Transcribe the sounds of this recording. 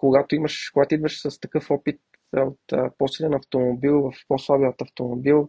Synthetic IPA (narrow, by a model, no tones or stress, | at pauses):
koɡat̪oimɐʃkoɡat̪oid̪vəʃsɐst̪ɐkɤfɔpit̪ | ot̪posilɛnɐft̪omobilˠvɐfposlˠabiət̪ɐft̪omobilˠ